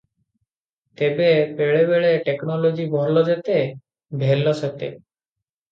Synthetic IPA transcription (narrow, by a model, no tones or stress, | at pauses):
t̪ebepeɭebeɭeʈeknɔlod͡ʑibʱɔlod͡ʑet̪e | bʱelːoset̪ḛ